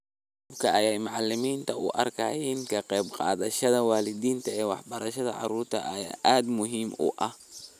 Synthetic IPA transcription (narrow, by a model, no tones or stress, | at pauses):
ʊbkʰɐʔɐjaːjmʊʕɑlːɪmiːnt̪ʰɐʔṵʔɐ̰rkʰɐ̰jiːnkʰɐqɛːbqɑ̰ːðɐʃɐðɐwaːlɪd̪iːnt̪ɐɛːwɑħbɐɾɐʃɐðɐʕɑ̰ɾuːrt̪ʰɐ̰ʔɐja̰ʔaːd̪mʊɦiːmṵːʔɐh